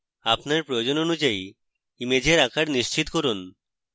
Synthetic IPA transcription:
apnaɾpɾojod͡ʒononud͡ʒai | imed͡ʑeɾakʰaɾniʃt͡ɕit̪koɾun

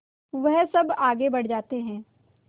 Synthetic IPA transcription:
ʋɛɦsɐbaːɡebɐɽ̤d͡ʒaːt̪eɦɛ̃ː

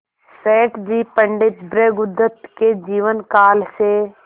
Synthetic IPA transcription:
seːʈd͡ʒiːpəɳɖɪt̪bɾeːɡʊd̪ɾət̪ked͡ʒiːʋənkaːlse

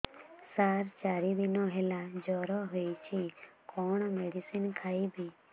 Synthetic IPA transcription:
saɾt͡ʃaɾid̪inɔɦelad͡ʒɔɾɔɦojt͡ʃʰikɔɳ̃meɖisinkʰajbi

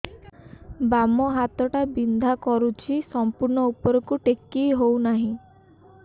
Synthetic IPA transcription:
bamɔɦat̪ɔʈabind̪ʱakɔɾut͡ʃʰisɔmpuɾɳɔupɔɾɔkuʈekːijɦownaɦĩ

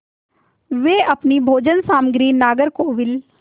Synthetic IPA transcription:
ʋeːʔəpnibʱoːd͡ʒənsaːmɡɾiːnaːɡəɾkoːʋɪl

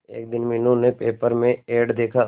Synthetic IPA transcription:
ḛːk̚d̪ɪnmɪnõnepeːpəɾmẽeːɖd̪eːkʰa

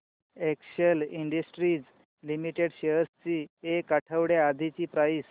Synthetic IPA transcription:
ekɕəliɳɖəsʈɾiːd͡z | limiʈeɽɕeɾst͡ɕiːekːaʈʰəʋɽjead̪ʱit͡ɕiːpɾajs

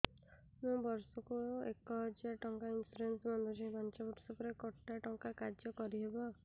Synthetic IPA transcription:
mũbɔɾsɔkuekɔɦd͡ʒaʈɔŋkainsuɾensmɔnd̪ʱɔɾibant͡ʃɔbuʈsɔpɔɾekɔʈːaʈɔŋkakaɾd͡ʒjɔkɔɾiɦebɔ

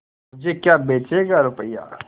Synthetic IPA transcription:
mʊd͡ʒʱekjaːbeːt͡ʃeːɡaɾʊpəjːa̰ː

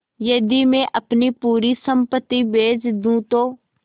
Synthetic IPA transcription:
jɐd̪imẽʔəpnipuːɾisəmpət̪ːibeːd͡ʒd̪ũt̪oː

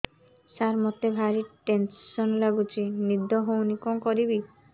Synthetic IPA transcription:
saɾmɔt̪ebʱaɾiʈensɔnlaɡut͡ʃʰinid̪ʱɔɦownikɔŋkɔɾibi

